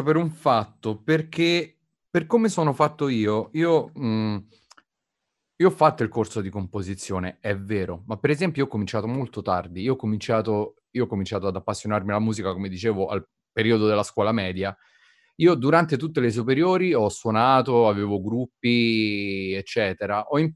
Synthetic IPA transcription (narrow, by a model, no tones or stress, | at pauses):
peɾuɱfat̪ːoperkʰe | perkomesoːnofat̪ːoiːoiːo | iːoɔfːat̪ːoilkorsod̪ikompozit̪sːjoːneɛvːɛːɾomapːeɾɛzɛmpjojiɔkːomint͡ʃaːt̪omolt̪ot̪ard̪iiːoɔkːomint͡ʃaːt̪o | ioɔkːomint͡ʃaːt̪oad̪apːasːjonarmialamuːzikakomed̪it͡ʃeːvoʔa̰l | peɾiːod̪od̪elːaskwɔːlamɛːd̪ja | iːod̪uɾant̪et̪̬ut̪ːeles̬upeɾjoːɾiɔsːwonaːt̪oaveːvoɡɾupːi | et͡ʃːɛːt̪eɾaʔɔim